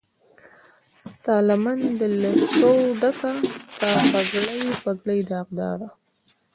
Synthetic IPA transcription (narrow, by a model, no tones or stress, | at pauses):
st̪ɑlamand̪əlesowɖakast̪ɑpaɡləjpaɡləjd̪ɑq̚d̪ɑ̰ɾa